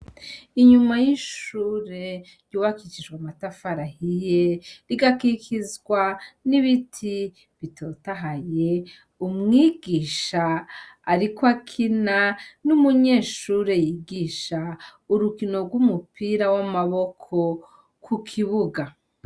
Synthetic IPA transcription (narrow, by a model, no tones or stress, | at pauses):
iɲumajiʃuːɾe̞ɾjuːβakit͡ʃid͡ʒɡwamatafaɾahijeɾiɡakikʰizɡwaniβitʰi | βitʰo̞ːtaɦaje̞ | umŋiːɡiːʃaː | ɾikwakʰinanumuɲe̞ːʃuːɾe̞jiːɡiːʃauɾukino̞ɡwumupiːɾawamaβo̞kʰo̞ | kʰukʰiβuɡa